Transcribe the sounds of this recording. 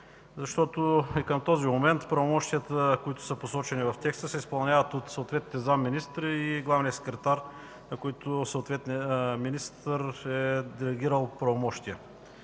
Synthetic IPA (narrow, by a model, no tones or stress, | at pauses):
zɐʃt̪ɔt̪oikəmt̪ɔzimomɛnt̪pɾɐvomɔʃt̪ijət̪əkoit̪ʊ̥səposɔt͡ʃɛnivɐft̪ɛkst̪əsɛispɐlˠnʲavət̪ot̪soot̪vɛt̪niəzamːinist̪ɾiɡlˠavniəsɛ̥kɾɛt̪aɾ | nɐkoit̪ʊsəot̪vɛt̪nminist̪əɾɛd̪ɛlɛɡʲiɾəlˠpɾɐvomɔʃt̪ijə